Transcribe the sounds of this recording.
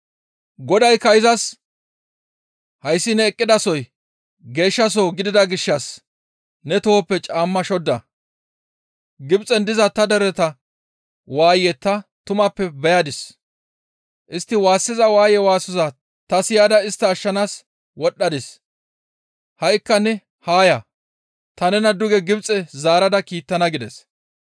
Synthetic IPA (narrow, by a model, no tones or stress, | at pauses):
ɡɔd̪ɐjkɐjɪzɐs | hɐjsːɪnɛːkʼːɪd̪ɐsɔj | ɡe̞ːʃːɐs̬oːɡɪd̪ɪd̪ɐɡɪʃːɐs | nɛt̪ɔhɔpːɛt͡ʃʼaːmːɐʃɔd̪ːɐ | ɡɪbt͡sʼɛnd̪ɪzɐt̪ɐd̪ɛɾɛt̪ɐ | waːjɛt̪ːɐt̪ʊmɐpːɛbɛjɐd̪ɪs | ʔɪst̪ːɪwaːsːɪzɐwaːjɛwaːsɔzɐ | t̪ɐsɪjaːd̪ɐɪst̪ːɛɐʃːɐnaːs | wɔɗːɐd̪ɪs | hɐjkːɐnɛ | haːjɐ | t̪ɐnɛnɐd̪ʊɡɛɡɪbt͡sʼɛzaːɾɐd̪ɐkiːt̪ːɐnɐɡɪd̪ɛs